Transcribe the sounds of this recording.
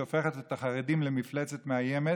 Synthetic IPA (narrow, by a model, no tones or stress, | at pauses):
ofe̞χet̪et̪aχaʁedimlemiflet͡setmeajeme